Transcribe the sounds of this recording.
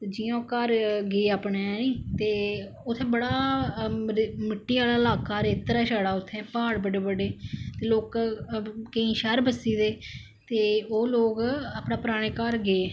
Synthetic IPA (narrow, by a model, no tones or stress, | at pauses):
t̪eːd͡ʒɪjãːkəɾɡeːaːpɳeɛniːt̪eː | ʊt̪ʰːẽːbəɽaː | mɪʈːiːʋaːlaːlaːkaːɾeːt̪ɾaːʃaːɽaːʊt̪ʰːẽːpaːɽbəɖeːbəɖeːt̪eːloːk | kəĩːʃəɾbəsiːd̪eː | t̪eːoːloːkaːpnaːpɾaːɽ̃eːkəɾɡeeː